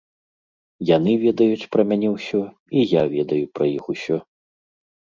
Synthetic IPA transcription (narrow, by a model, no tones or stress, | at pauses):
jan̪ɨvʲɛd̪ɐjut͡ɕʲpɾɐmʲanʲɛwsʲɔ | ijavʲɛd̪ɐjupɾɐjixusʲɔ